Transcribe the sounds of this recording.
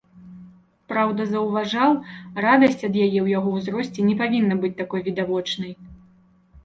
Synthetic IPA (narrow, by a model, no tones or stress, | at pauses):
pɾawd̪ɐzɐwvaʐawrad̪ɐsʲt͡sʲɐd̪jajɛwjaɣɔwzɾɔsʲt͡sʲɛnʲɛpavʲinːɐbɨt͡sʲt̪akɔjvʲid̪avɔt͡ʂnɐj